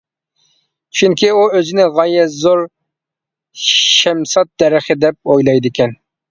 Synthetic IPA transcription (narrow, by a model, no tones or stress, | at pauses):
t͡ʃʰyŋkʲʰiuøzɪnɪʁɑjɛzoɾ | ʃɛmsɑt̪̚d̪ɛɾɪχɪd̪ɛp̚ojlˠɑjd̪ɪkʲɛn